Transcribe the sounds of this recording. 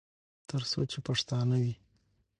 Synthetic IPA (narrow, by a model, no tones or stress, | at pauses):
t̪əɾso̰t͡ʃepaʂt̪ɑnawi